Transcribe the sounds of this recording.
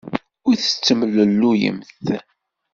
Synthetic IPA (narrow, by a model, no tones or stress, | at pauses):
ʊɾθə̥t͡sːəməlːəlːujə̰mθ